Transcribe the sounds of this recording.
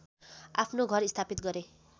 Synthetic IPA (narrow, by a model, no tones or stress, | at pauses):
a̰pʰnoɡʱʌɾist̪ʰapit̪̚ɡʌɾe